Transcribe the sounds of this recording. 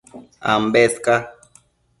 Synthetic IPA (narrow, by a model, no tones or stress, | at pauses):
a̰mbɛska